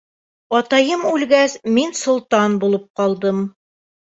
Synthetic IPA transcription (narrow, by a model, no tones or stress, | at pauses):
ɒt̪ɑjɤmʉlɡæsminsŏlˠt̪ɑnbulˠɤp̚qɑlˠd̪ɤm